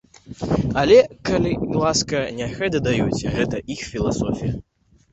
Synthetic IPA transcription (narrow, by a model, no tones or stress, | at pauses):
ɐlʲɛkalʲilˠaskɐnʲɛɣɛd̪ɨd̪ajut͡sʲɣɛt̪ɐʔixfʲilˠasɔfʲijɐ